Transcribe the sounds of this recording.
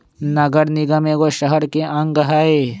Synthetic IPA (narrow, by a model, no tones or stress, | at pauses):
nɐɡəɾnɪɡɐmeɡoʃɐɦəɾkeʔɐ̃ŋɐɦaːeː